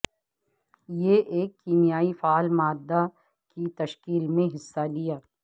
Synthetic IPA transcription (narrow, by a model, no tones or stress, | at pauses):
jeʔeːkːiːmijaːifaːlmaːd̪ːa | kit̪ɐʃkiːlmẽɦɪsːalɪjaː